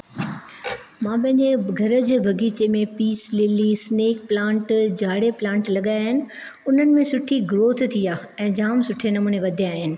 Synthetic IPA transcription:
mãːpɐ̃ɦɪ̃ɲd͡ʑeɡʱɐɾə̆d͡ʑeːbʱɐɡʱiːt͡ɕemẽpiːslɪlisneːk̚plãːɳʈd͡ʑʱaːɽeplãːɳʈlɐɠaːjɦɪnɪ̆ | ʊn̤ənɪ̆mẽsʊʈʰiɡɾoːt̪ʰt̪ʰijaːɛ̃ːd͡ʑaːmsʊʈʰenɐmuːneʋɐd̪ʱijaːɦɪnɪ̆

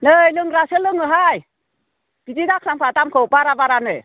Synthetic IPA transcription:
nɯjlɯŋɾasɯlɯŋɯɦaj | ɡ̥id͡ʒidakʰampʰatamkʰɯwbaɾabaɾanɯj

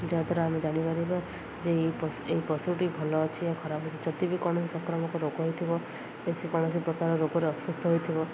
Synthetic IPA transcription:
d͡ʒeat̪ɔɾaamed͡ʒaɽ̃ipaɾiba | d͡ʒepseipɔsuʈibʱɔlɔːt͡ʃʰiakʰɔɾabʱɔt͡ʃʰid͡ʒɔt̪ibikɔɽ̃ɔsisɔ̃kɾɔmɔkɔɾoɡɦojt̪ʰibɔ | esʰikɔɽ̃ɔsipɾɔkaɾɔɾoɡɔɾeɔswust̪ʰɔɦojt̪ʰibɔ

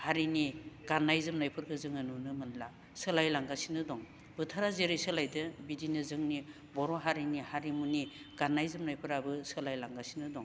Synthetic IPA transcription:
haɾiniɡ̥anːajzɯmnajpʰɯɾkʰɯzɯŋɯnunɯmɯnla | sɯlajlaŋɡasinɯdɔŋ | bɯtʰaɾazeɾɯjsɯlajdɯbidinɯzɯŋni | bɔɾɔɦaɾinihaɾimuniɡ̥anajzɯmnajpʰɯɾabɯsɯlajlaŋɡasinɯdɔŋ

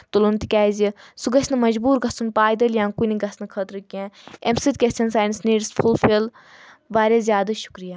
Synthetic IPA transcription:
t̪ulunt̪ikʲaːjzisuɡɐsnɨmɐd͡ʒbuːɾɡɐsunpaːjd̪ɐljãːŋkuniɡɐsnɨkʰɐt̪ɾɨkʲẽːemsit̪̚kʲesʲɐnsaːjnsniːɾsfʰulfʰil | ʋaːɾʲezʲjaːd̪ɐʃu̥kɾijaː

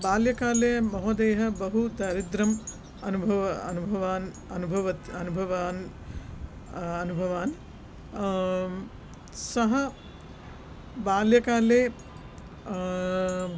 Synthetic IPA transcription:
baːljɐkaːleːmɐɦoːd̪eːɦɐbɐɦud̪aːɾid̪ɾɐm | ɐnubʱɐʋɐɐnubʱɐʋaːn | ɐnubʱɐʋɐt̪ɐnubʱɐʋaːn | ɐnubʱɐʋaːn | sɐɦɐ | baːljɐkaːleː

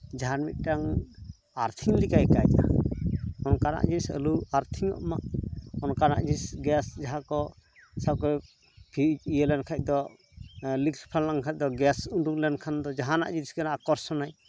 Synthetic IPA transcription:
d͡ʒaɦanmit̪̚ʈaŋ | aɾt̪ʰiŋlikajkajca̰ | ɔnkana̰ʔd͡ʒisə̰luaɾt̪ʰiŋɔ̰ʔmaʔɔnkana̰ʔd͡ʒisɡɛsd͡ʒaɦakɔ | səb̚kɔ | pʰiijəlɛnkʰac̚d̪ɔ | likpʰalnaŋkʰac̚d̪ɔɡɛsuɖuŋlɛnkʰand̪ɔd͡ʒaɦana̰ʔd͡ʒiɾiskanaʔakɔɾsɔnaj

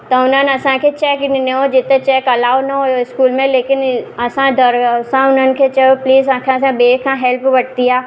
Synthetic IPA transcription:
t̪ɐʊnənɐsãkʰet͡ʃɛːknɪneɦod͡ʒɪt̪ẽt͡ʃɛːkɐlaːwnɐɦooɪskuːlmẽleːkɪnɐsãd̪ɐɾsãʊnankʰet͡ʃeopliːzãkʰãs̬ãbeːkʰãɦɛlpbɐʈ̚t̪ijaː

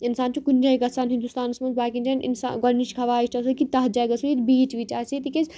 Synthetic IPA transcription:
insaːnt͡ʃukunʲd͡ʒɐiɡɐsaːnɦĩnd̪ust̪aːnɐsmɐnzbaːkind͡ʒɐnḭnsa̰ɡɐnːit͡ʃkʰɐʋaːiʃʈɐsɐkit̪ɐɦd͡ʒaːɡɐsuit̪biːt͡ʃʋit͡ʃaːsit̪iked͡ʒ

